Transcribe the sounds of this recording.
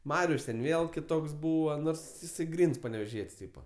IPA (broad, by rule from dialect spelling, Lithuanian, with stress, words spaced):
ˈmɑːrʲʊs tʲɛn ˈʋʲeːlˠ kʲɪˈtoːks ˈbuːʋɐ ˈnoːrs jɪˈsɐɪ ˈɡrʲiːns pɐnʲɛʋʲɛˈʒʲiɛtʲsʲ ˈtʲiːpɐ